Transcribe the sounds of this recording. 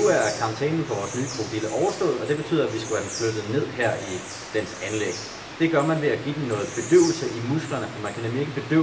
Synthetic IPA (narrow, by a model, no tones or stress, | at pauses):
nuæɐkʰɑ̈mt͡sʰɛ̰ːnn̩pʰɒʋɒːsnyːkʰʁo̝b̥ʰiləʔɒʊɐsd̥ɔ̰̽ːð̩ˠɒ̽d̥e̝b̥e̝t͡sʰy̰ð̰ˠɐæʋisɡ̥uhæd̥emflød̥ð̩ˠne̝ð̰ˠɦæɐ̰i | d̥ensænleɡ̥ | d̥e̝ɡ̥ɶɐmænʋe̝æɡ̥ḭd̥emnɔ̽ːð̩ˠb̥e̝d̥øʊl̩səʔimusɡ̥lɐnəmmænkʰænemlie̝ɡ̥əb̥e̝d̥ø